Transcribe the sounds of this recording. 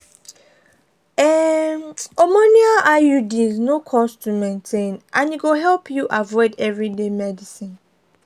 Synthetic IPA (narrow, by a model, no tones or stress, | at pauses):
ɛ | omoniaʔajudiznokʰɔstʰumẽntʰẽnʔãniɡoɦɛlpʰjuʔavɔɪdɛvɹidemɛdisĩn